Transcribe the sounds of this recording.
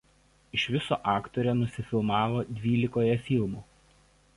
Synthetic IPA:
ɪʃʋʲɪso̰ːʔɑːkt̪ɔɾʲɛnʊsʲɪfʲɪlˠmɑːʋoːd̪ʲʋʲiːlʲɪkoːjɛfʲɪlˠmuː

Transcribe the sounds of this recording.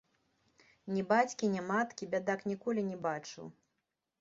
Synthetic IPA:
nʲɛbat͡sʲkʲinʲɛmat̪kʲibʲad̪aknʲikɔlʲinʲɛbat͡ʂɨ̰w

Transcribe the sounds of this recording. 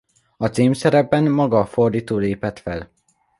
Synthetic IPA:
ɒt̪seːmsɛɾɛbːɛnːɒɡɒfo̞rd̪iːt̪oːleːpɛt̪fɛl

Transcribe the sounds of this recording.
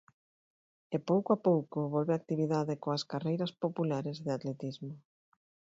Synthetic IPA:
epowkoapowkoβɔlβeak̚t̪iβ̞iðaðekoaskarejɾɐspopulaɾezðɪat̪let̪izmo

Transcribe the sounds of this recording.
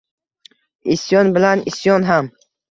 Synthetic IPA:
isjɔnbɪlanisjɒnɦam

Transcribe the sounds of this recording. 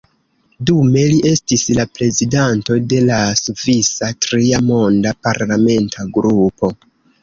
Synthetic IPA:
dume̞liʔe̞stislapɾe̞zidanto̞de̞lasuvisatɾiamo̞ndapaɾlame̞ntʰaɡɾupo̞

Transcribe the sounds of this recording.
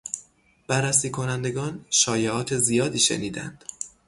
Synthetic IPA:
b̥ærːæsiːkʰo̞nænd̪e̞ɡɒːnʃɒːjeʔɒːt̪ʰezijɒːd̪iːʃḛniːd̪æ̰nd̪̥

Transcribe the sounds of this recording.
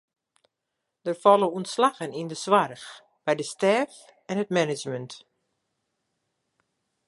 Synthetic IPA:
d̥ərfɔlˠəuntslaɣənindəswarx | b̥ɛjdəstɛːf | ɛnɦətmɛnɪd͡ʒmənt

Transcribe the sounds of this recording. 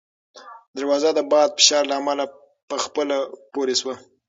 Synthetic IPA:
d̪aɾwɑzad̪əbɑd̪̚fɪ̥ʃɑɾlaːmala | pəxpəlapoɾeswa

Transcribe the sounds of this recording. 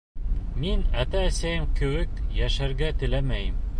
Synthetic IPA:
minæt̪æːsæjɘmkɘ̆wɘkjæʃæɾɡæt̪ɘ̆læmæjɘm

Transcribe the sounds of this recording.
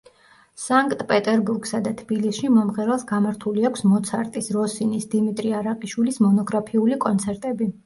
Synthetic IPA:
saŋkʼt̪ʼpʼɛt̪ʼɛɾbuɾɡsad̪at̪ʰb̥ilisʃimɔmʁɛɾɛlˠsɡamaɾt̪ʰuliakʷʰsmɔt̪sʰaɾt̪ʼisɾɔsinisd̪imit̪ʼɾiaɾaqʼiʃwilismɔnɔɡɾapʰiulikʼɔnt̪sʰɛɾt̪ʼɛbi

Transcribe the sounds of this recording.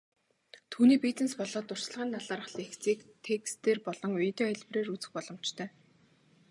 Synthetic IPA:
t̪ʰuːniːpit͡sɘ̆nspɔɮɔːt̪ːʊr̥s̆ɮʁaːnt̪ʰaɮaːɾə̆χɮiːxt͡siːkt̪ʰekst̪eːrpɔɮɞ̆ŋʊj̆t̪eːæɮʲp̆reːrut͡sɘ̆xpɔɮɞ̆m̥t͡ɕt̪ʰœː

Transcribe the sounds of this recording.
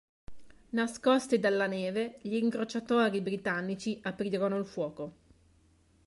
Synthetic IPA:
naskost̪id̪alːaneːveʎiːŋkɾot͡ʃat̪oːɾibɾit̪anːit͡ʃiʔapɾiːɾonoilfwɔːko

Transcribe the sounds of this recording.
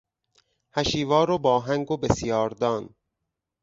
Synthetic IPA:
hæʃiːvɒːɾobɒːɦæŋɡobesjɒːɾd̪ɒːn

